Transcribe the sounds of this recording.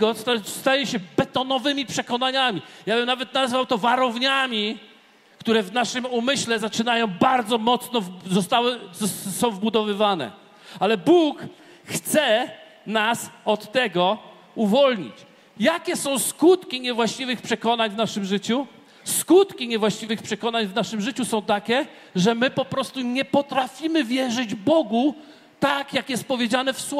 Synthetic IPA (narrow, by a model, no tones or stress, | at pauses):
ɔst̪ast̪ajɛɕɛbɛt̪ɔnɔvɘmʲipʂɛkɔn̪aɲamʲijabɘmnavɛt̪̚nazvawt̪ɔvaɾɔvɲamʲi | kt̪uɾɛvnaʂɘmumɘɕlɛzat͡ʂɘnajɔ̃w̃baɾd̪zɔmɔt̪snɔvzɔst̪awɘzsɔ̃w̃vbud̪ɔvɘvanɛ̰ | alɛbuk | xt̪sɛ | nasɔt̪ːɛɡɔ | uvɔlɲḭt͡ɕ | jakʲɛsɔ̃w̃skut̪kʲiɲɛvwaɕt͡ɕivɘxpʂɛkɔnaɲvnaʂɘmʐɘt͡ɕu | skut̪kʲiɲɛvwaɕt͡ɕivɘxpʂɛkɔnaɲvnaʂɘmʐɘt͡ɕusɔ̃w̃t̪akʲɛ | ʐɛmɘpɔpɾɔst̪uɲɛpɔt̪ɾafʲimɘvʲjɛʐɘd͡ʑbɔɡu | t̪akjakjɛst̪̚pɔvʲjed͡ʑanɛfswɔ